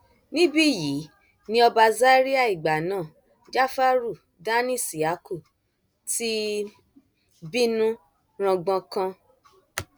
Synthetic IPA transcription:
nĩ˦bi˦˨ji˨˦ | nĩ˦ɔ˧ba˧za˦ɾi˦a˦˨i˨ɡ͡ba˨nãː˦˨ | d͡ʒa˦fa˦ɾu˦˨ | dã˦nĩ˦˨si˨a˨˦ku˦˨ | ti˦ | bi˦nũ˦ | ɾ̃ã˧ɡ͡bã˧kã˧

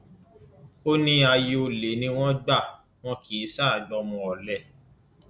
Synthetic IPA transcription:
o˦nĩ˦a˧je˧o˧le˨˦nĩ˧˦w̃ɔ̃˦ɡ͡ba˦˨ | w̃ɔ̃˦ki˨˦sa˦˨a˨dɔ˧mɔ̃˧ɔ˨lɛ˦˨

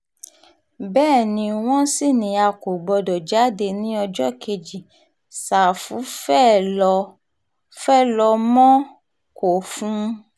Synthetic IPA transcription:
bɛː˦˨nĩ˧w̃ɔ̃˦si˦˨nĩ˨˦a˧ko˨ɡ͡bɔ˧dɔ˨d͡ʒa˨˦de˧nĩ˦ɔ˧d͡ʒɔ˦ke˧˨d͡ʒi˨ | sa˨fu˨˦fɛ˦˨ɔ˧ | fɛ˦˨lɔ˧mɔ̃˦ | ko˨fũ˦

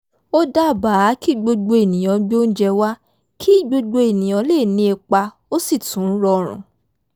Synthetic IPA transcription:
o˦da˦˨ba˨˦ki˦˨ɡ͡bo˧ɡ͡bo˧e˨nĩ˨j̃ɔ̃˨˧˦ɡ͡bo˦n̩˦d͡ʒɛ˧wa˦ | kʰi˦˨ɡ͡bo˧ɡ͡bo˧e˨nĩ˨ɔ̃˨˧˦le˦˨nĩ˧˦e˧k͡pa˧ | o˦si˦˨tũ˨˦ɾɔ˧ɾ̃ṵ̃˨

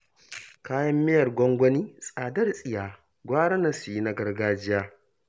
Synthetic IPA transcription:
kaː˦jɐ˦mːɪ˦jɐ˨rɡʷɔ˦ŋɡʷɐ˦niː˦sʼaː˨dɐ˦rsʼɪ˨jaː˨ | ɡʷaː˦ɽɐ˦na˨su˨ji˦na˦ɡɐ˦rɡaː˦d͡ʒɪ˦jaː˦

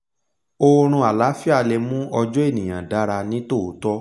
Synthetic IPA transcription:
o˦ɾ̃ũ˧a˨la˨˦fi˦a˦˧˨lɛ˧mũ˦ɔ˧d͡ʒɔ˦e˦˨nĩ˨j̃ã̰˨da˦ɾa˧nĩ˦to˦˨˦tɔ˦

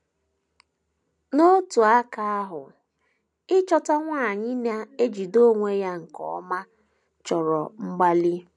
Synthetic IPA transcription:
no˦tu˨a˦ka˦a˦ɦʊ˨ | ɪ˦t͡ʃɔ˦ta˦ŋʷa˦a˨ɲɪ˦na˦e˦d͡ʒi˨do˦ŋʷe˦ja˦ŋ̩˨kɔ̰˨ɔ˦ma˦ | t͡ʃɔ˨ɾɔ˨ŋ͡m̩˦ɡ͡ba˦li˦

